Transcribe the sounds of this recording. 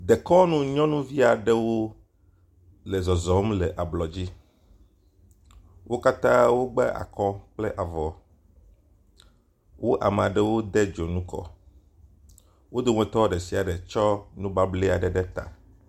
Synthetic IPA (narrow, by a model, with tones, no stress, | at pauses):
d̪e˨kɔ˦nũ˦ɲɔ̃˦nũ˦vi˦a˨ɖɛ˦wo˦ | le˨zɔ˨zɔ˨˦mle˨ʔa˨blɔ˨d͡ʑi˦ | wʔo˦ka˦t̪ã˦wo˦ɡ͡bɛ˦ʔa̰˨kɔ˦k͡ple˦ʔa˨vɔ˨ | wʔo˦ʔa˨me˨a˨ɖe˦wo˦d̪e˦d͡ʒo˨nũ˦kɔ̰˨ | wo˦d̪o˨ŋ̃ẽ˨t̪ɔ˦ɖe˨si˨a˨ɖe˨t͡ʃɔ˦nũ˦ba˦ble˦a˨ɖɛ˨ɖɛ˦t̪a̰˨